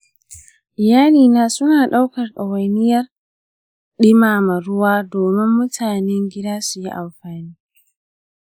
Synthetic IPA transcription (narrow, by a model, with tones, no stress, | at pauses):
ʔɪ˨jaː˦liː˨naː˦sʊ˦naː˨ɗa˦wkɐ˨rɗɐ˨wɐ˨nɪ˦jɐ˦r | ɗɪ˦maː˨ma˨ɾʊ˦waː˦doː˨mɪ˦mːʊ˦tʰaː˨nɛ˦ŋɡʲɪ˦daː˦su˨ji˦ʔa˨mɸaː˨niː˦